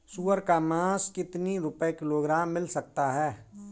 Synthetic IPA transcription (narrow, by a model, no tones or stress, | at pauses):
suːəɾkamãːskɪt̪niɾʊpəekloːɡɾaːmːɪlsɐk̚t̪aɦɛː